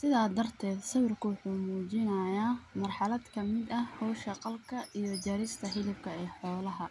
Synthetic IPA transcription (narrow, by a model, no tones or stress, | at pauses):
sɪðaːd̪ɐrt̪ʰɛːd̪sɐβɪrkʰʊwɑħuːmuːt͡ʃɪnɐjaːmɐrħɑlɐd̪kʰɐmɪd̪ɐhɔːʃɐqɑlkʰɐʔijɞd͡ʒɐɾɪst̪ʰɐhɪlɪbkʰɐɛːħɔːlɐɦɐ